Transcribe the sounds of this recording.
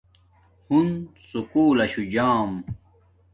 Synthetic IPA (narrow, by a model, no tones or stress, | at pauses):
hunsukuːlɐɕud͡ʑaːm